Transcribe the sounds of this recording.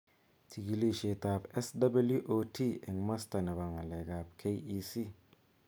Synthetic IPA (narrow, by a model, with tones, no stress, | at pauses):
ti˨ɡi˨li˦ʃe˨ta˨pe˦sdɐ˦bɐ˦lju˦ʔo˦tʰi˦i˨ŋmɐ˦sta˨nɐ˨ba˨ŋa˨le˨ɡa˨p̚kʰe˦ji˦si˦